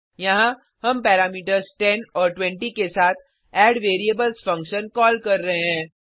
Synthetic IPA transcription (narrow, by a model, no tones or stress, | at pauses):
jɐɦã | hɐmpɛːɾaːmiːʈ̬əɾzʈɛnɔːɾʈwɛ̃ɳʈikesaːt̪ʰ | ɛːɖʋeːɾiəbəlzfɐ̃ŋkʃənkɔːlkɐɾːɐɦeɦɛ̃ː